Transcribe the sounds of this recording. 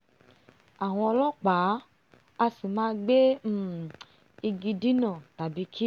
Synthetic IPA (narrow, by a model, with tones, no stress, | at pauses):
a˨w̃ɔ̃˧ɔ˧lɔ˦k͡pa˨˦ | a˧si˨mãː˨˦ɡ͡be˦ | i˧ɡi˧di˦nã˦˨ta˨bi˨˦kʰi˦